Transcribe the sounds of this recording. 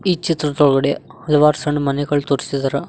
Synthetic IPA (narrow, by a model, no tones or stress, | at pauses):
iːt͡ʃit̪ɾɐt̪oɭɣɐɽe | hɐlɐʋaːɾsɐɳmɐnɐɣɐɭt̪urisid̪ɐɾɐ